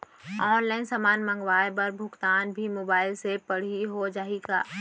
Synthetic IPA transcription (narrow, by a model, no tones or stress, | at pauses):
ɔːnlaːɪnsaːmaːnmə̃ŋɡʋaːjbəɾbʱʊkt̪aːnbʱimoːbaːɪlsepəɽ̤iɦod͡ʒaːika̰ː